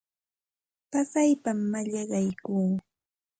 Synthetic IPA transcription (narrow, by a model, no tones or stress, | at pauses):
pasajpamːaʎɑɢɑjkuː